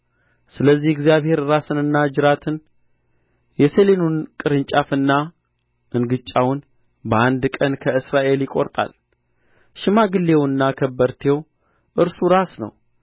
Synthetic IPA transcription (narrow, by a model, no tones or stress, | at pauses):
sɨləzːihɡzijaβhe̞ɾɾasɨnɨnːad͡ʒɨɾat̪ʰɨn | jɛselenunkʼɨɾɨnt͡ʃʼafɨnːa | ʔɨnɡɨt͡ʃʼːawn | bəʔand̪kʼənkʰəɨsɾaʔe̞ljɪkʼo̞ɾt̪ʼa̰l | ʃɨmaɡɨlːewɨnːakʰəbːəɾt̪ʰew | ʔɨɾsuɾasnə̰w